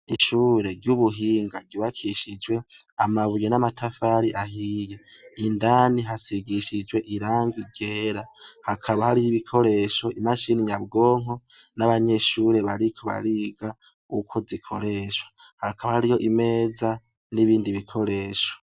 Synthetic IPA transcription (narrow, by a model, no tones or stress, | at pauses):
iʃuːɾe̞ɾjuβuɦiːŋɡaɟiβakʰiʃid͡ʒwe̞amaβujenamatʰafaːɾiʔaɦiːje | indaːniɦasiɡiʃid͡ʒwe̞ʔiɾaːŋɡiɡe̞ːɾahakʰaβahaɾijiβikʰo̞ɾe̞ʃo̞ʔimaʃiniɲab̚ɡo̞ːŋ̥o | naβaɲe̞ʃuːɾe̞βaɾikʰoβa̰ɾiːɡa | ukʰozikʰo̞̰ɾe̞ːʃwḁ | hakʰaβahaɾijo̞ʔime̞ːza | niβiːndiβikʰo̞ɾe̞ːʃo̥